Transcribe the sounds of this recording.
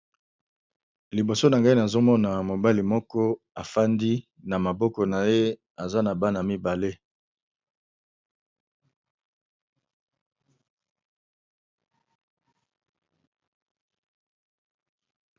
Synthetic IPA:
li˨bo˨so˦na˨ŋɡa˦i˦na˨zo˦mɔ˦na˨mo˨ba˦li˨mɔ˦kɔ˦ | a˨fa˦ndi˦ | na˨ma˨bɔ˦kɔ˨na˨je˦ | a˨za˦na˨ba˦n˨a˨mi˦ba˨le˦

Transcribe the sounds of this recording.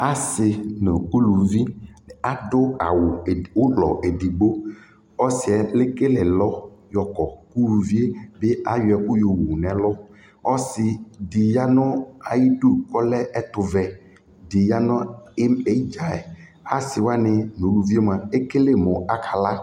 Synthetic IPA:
a˦sɪ˨no˨u˦lu˨vi˦˨a˨dʊ˦a˨wʊ˨ʊ˦lɔ̰˨e˨di˨ɡ͡bo˦ | ɔ˦sɪ˨ɛ˨lɪ˦ke˦lɛ˨lɔ˦jɔ˨kɔ˨ku˦lu˨vi˦e˦bɪ˦a˦jʊ˨ɛ˨kʊ˦jo˨wu˨n˨ɛ˨lɔ˦ | ɔ˦sɪ˨di˨ja˦nɔ˦a˨ji˦du˦kɔ˦lɛ˦ʔɛ˦t̪ʊ˨vɛ˨ | dɪ˨ja˦nɔ̃˦ɪ˦me˨˦d͡ʒa˨ɛ˨ | a˦sɪ˨wa˦nɪ˨no˨lu˨vi˦e˦m˨a˨e˦ke˦le˨mʊ˨a˦kʰa˨la˦

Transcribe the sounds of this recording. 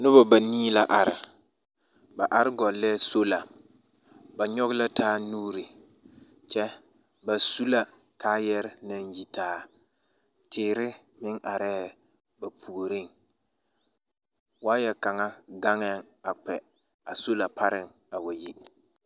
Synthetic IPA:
nʊ˦bɔ˨ba˨niː˦la˨ʔa˨ɾɪ˨ | ba˨ʔa˨ɾɪ˦ɡɔ˨lɛ˦so˦la˨ | ba˨ɲɔ˦ɣla˦taː˦nuː˦ɾi˨ | t͡ʃɛ˦ | ba˨su˦la˨ | kaː˦jɛ˦ɾɪ˦na˨nji˦taː˨˦ | tʰɪː˨ɾɪ˦ | mɪ˦ŋʔa˨ɾɛː˦ | ba˨pʰu˨ɾɪ˦˨ŋ | waː˦jɛ˨ka˨ŋa˦ɡa˦ŋɛ˦˨ŋ | a˨k͡pɛ˨ | a˨so˦la˨pʰa˦ɾɪ˨ŋ | a˨wa˨ji˦

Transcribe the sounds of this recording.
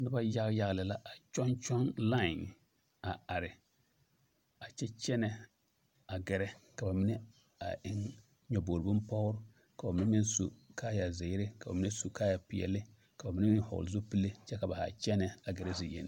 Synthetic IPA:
nɪ˦ba˦ja˦ɣja˦ɣlɪ˨la˦ʔa˨t͡ʃɔ˦nt͡ʃɔ˦nla˦˨ŋ | a˨a˨ɾɪ˨ | a˨t͡ʃɛ˦t͡ʃɛ˦nɛ˦˨ | a˨ɡɛ˨ɾɛ˦ka˨ba˨mɪ˦nɛ˦ | a̰˨ʔɪ˦ŋ | ɲɔ˨bo˨ɾbʊ˦mpɔ˦ɾʊ˦ | ka˨ba˨mɪ˦nɛ˦mɪ˦nsṵ˨kaː˦ja˨zɪ˨ɪ˦ɾɪ˦ka˨ba̰˨mɪ˦ne˦su˨kaː˦ja˨pɪ˨ɛ̰˨lɪ˦ | ka˨ba˨mɪ˦nɛ˦mɪ˦nhɔ̰˨lzo˦pi˦le˦t͡ʃɛ˦ka˨ba˨ha̰˨t͡ʃɛ˦nɛ˨a˨ɡɛ˨ɾɛ˦zi˨jḛ˨n̰˦˨

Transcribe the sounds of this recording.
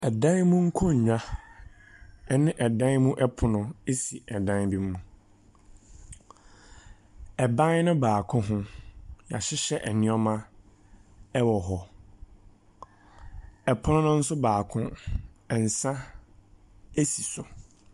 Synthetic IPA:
ɛ˨dã˦nmũ˦ŋ̩˦kʰɔ˦ɲ̩˨ɲᶣã˦ | ɛ˦nɪ̃˦ʔɛ˨dã˦nmũ˦ʔɛ˦pʰʊ˨nʊ̃˨e˦si˨ɛ˨dã˦nbi˦mː˦ũ˨ | ɛ˨bã˦nnʊ̃˦baː˨kʰʊ̃˦ɦʊ̃˦ja̰˨ɕɪ˦ɕɛ˦ʔɛ˨nɪ̃˦ɔ˦mã˦ | ɛ˦wɔ˨ɦɔ˦ | ɛ˨pʰʊ˦nʊ̃˦nʊ̃˦n̩˦sʊ˦baː˨kʰʊ̃˦ɛ˨n̩˨sã˦ | e˦si˨sʊ˨

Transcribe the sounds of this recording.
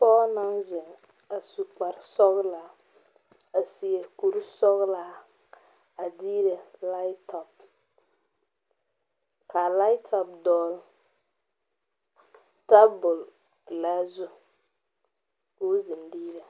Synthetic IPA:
pɔː˦na˦nzɪ˨ŋ | a˨su˨k͡pa˨ɾsɔ˦ɣla˨ | a˨si˨e˨ku˦ɾsɔ˦ɣla˨ | a˨diː˦ɾɛ˨la˦jtʰɔ˨p | ka˨la˦tʰɔ˨p̚dɔː˦l | ta˦bʊ˨l | la˦zu˦ | ku˦zɪ˨ndiː˦ɾɛ˨

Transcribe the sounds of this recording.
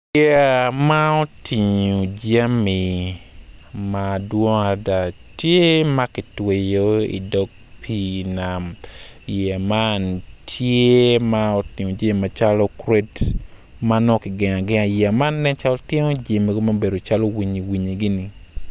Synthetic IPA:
a˨ma˦ɔ˦tʰi˨ɲo˨d͡ʒa˦mi˨ | ma˨dwɔ˦ŋa˨da˨tje˦ma˦kɪ˨twe˨jo˦ḭ˨dɔ˦ɡ̚pʰi˦na˨mje˨ma˦ntʰje˦ma˦ɔ˦ti˨ɲo˨d͡ʒe˦˨ma˨t͡ʃa˦lɔ˦kɾe˦t | ma˦nɔ˦kɪ˨ɡɪ˨ɲa˨ɡɪ˦a˨jɛ˨a˨ma˦nːɛ˦t͡ʃa˦lɔ˦tje˦ŋo˦d͡ʒe˨me˦ɡo˦ma˦be˨do˨t͡ʃa˦lo˦wi˨ɲi˨wi˨ɲi˨ɡi˦ni˨

